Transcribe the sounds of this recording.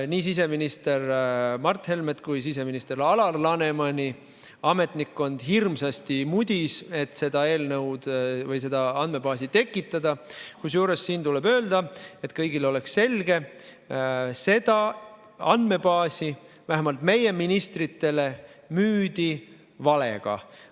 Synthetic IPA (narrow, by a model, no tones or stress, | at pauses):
niːsis̬e̞minist̪e̞rmɑrt̪he̞lmed̪kujs̬ise̞minist̪e̞ɾɑlɑlːɑne̞mɑnʲi | ɑme̞t̪ˑnikːo̞nd̪̥ɦirmsɑst̪imud̪̥ʲise̞t̪ˑse̞d̪̥ɑe̞ːlnɤwd̪̥vɤjse̞d̪̥ɑɑnd̪me̞bɑːsit̪e̞kːˑit̪ːˑɑd̪̥ɑkusjuːɾe̞sːiːnt̪ulɛbø̞ːld̪̥ɑe̞t̪kɤjɡ̥ilo̞le̞ksse̞lɡ̥e̞ | se̞d̪̥ɑ | ɑnd̪me̞bɑːsi | væɦemɑlt̪me̞je̞minist̪rit̪ːe̞le̞myːd̪̥i | vɑle̞̰ɡ̥ɑ̰